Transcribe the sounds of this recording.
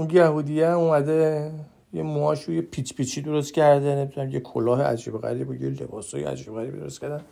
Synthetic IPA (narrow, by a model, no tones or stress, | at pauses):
unjæhuːd̪ijeæmumæd̪e | jemoɒʃujepʰit͡ʃpit͡ʃʰid̪o̞ɾost̪̚cʰæɾd̪enemid̪unæmjekʰolɒːɦeʔæ̰d͡ʒiːbeɣæ̰ɾiːbojelḛbɒːsɔːjḛæ̰d͡ʒiːbeɣæɾiːbḭd̪oɾost̪̚cæɾd̪æn